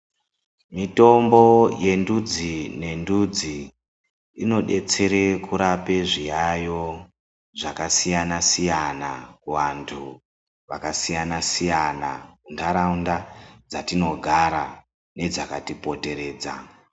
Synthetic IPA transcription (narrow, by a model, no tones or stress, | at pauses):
mito̞mbo̞je̞ndud͡zine̞ndud͡zi | ino̞ɗe̞t͡se̞ɾe̞kuɾape̞ʐijajo̞ | ʐakasijanasijanakuʋantʰu | ʋakasijanasijana̰kundʰʱaɾaundad͡zatino̞ɡʱaɾa | ne̞d͡zakatipo̞te̞ɾe̞ːd͡za̰